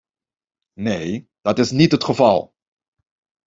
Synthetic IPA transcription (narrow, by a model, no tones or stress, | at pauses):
nej | d̥ɑtɪsnitɦətχəvɑ̰lˠ